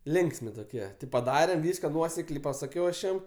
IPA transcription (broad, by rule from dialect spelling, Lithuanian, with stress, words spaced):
ˈlʲɪŋksʲmʲɪ toːˈkʲiɛ tʲɪ pɐˈdɑːrʲɛm ˈʋʲiːskɐ ˈnuɔsʲɛklʲɛɪ pɐsɐˈkʲɛʊ ɐʃ ˈjɛm